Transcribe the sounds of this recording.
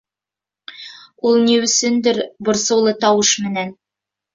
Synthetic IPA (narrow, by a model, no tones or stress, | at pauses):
ulˠniwɵ̆sɵnd̪ɘɾbŏɾsɤ̆wlˠɤt̪ɑwɤʃmɘ̆næn